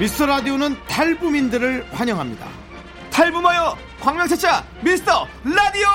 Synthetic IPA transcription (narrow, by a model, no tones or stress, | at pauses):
mis͈ʌɾadionɯntʰaɭbumindɯɾɯɭkwaɲʌŋɦamɲida̰ | tʰaɭbumajʌ | kwaŋmʲjʌŋt͡ɕʰat͡ɕʰa | misʌɭadio